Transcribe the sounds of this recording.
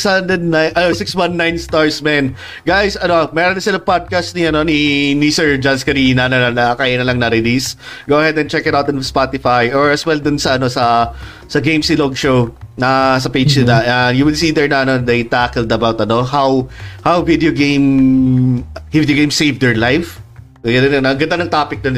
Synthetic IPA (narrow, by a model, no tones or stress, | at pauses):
sand̪ɛd̪̚najnʔɐnosɪkswɐ̃nːajnst̪oɹsmɛn | ɡajsʔɐnomɛːɾɔnːɐsɪlɐpad̪̚kɐst̪̚niɐno̞ninisɛɹd͡ʒanskɐɾinɐnolɐnɐkaːjɐnɐlɐŋnɐɾɪlisɡoːɐhɛd̪ɐnt͡ʃɛkɛt̪awt̪ɐnspat̪ɪfajʔɔɹɐswɛld̪ʊnsɐɐno̞sɐ | sɐɡejmsɪloɡʃownɐs̬ɐpejd͡ʒnɐʔɛjuwɪlsiːd̪ɛɹnɐɐnod̪ejt̪akɛld̪ɐbawt̪ɐno̞hawhawvid̪ɛoɡejm | hvd̪joɡej̃msejvd̪ɛɹlajf | ɡɐnɪnnɐɡɐnd̪anɐŋt̪aːpɪk̚d̪on